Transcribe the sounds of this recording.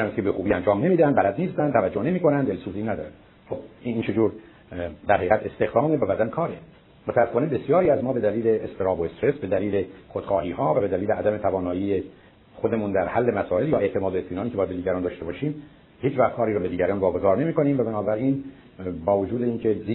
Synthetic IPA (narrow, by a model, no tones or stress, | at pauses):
æmæskʰebe̞xuːbiːænd͡ʒɒːmne̞miːd̪ænd̪bælæd̪niːst̪ænd̪t̪ʰævæd͡ʒːone̞miːko̞nænd̪elsuːziːnæd̪ɒ̰ːɾænd̪ | xob̚iiːnt͡ʃʰe̞d͡ʒuːɾ | d̪æɾhejɣæt̪ʰe̞st̪e̞xd̪ɒːmevæbæd̪ænkʰɒːɾe | mot̪ʰæsːefɑːnebesjɒːɾiːæzmɒːbe̞d̪æliːle̞est̪eɾɒːboest̪ɾe̞sbe̞d̪æliːle̞χod̪̥xɒːhiːhɒːvæbe̞d̪æliːleʔæd̪æme̞t̪ʰævɒːnɒːjiːe | xod̪e̞muːnd̪æɾhælːe̞mæsɒːe̞ljɒːeʔt̪ʰe̞mɒːd̪oet̪miːnɑːnicʰeɒːjæd̪̚beiːɟæɾɒːnd̪ɒːʃt̪e̞bɒːʃiːm | hiːt͡ʃvæxt̪kʰɒːɾiːɾɔːbe̞d̪iːɟæɾɑːnvɒːɡo̞zɒːɾne̞miːko̞niːmvæbænɒːbæɾin | bɒːvod͡ʒuːd̪e̞iːŋcʰe̞zi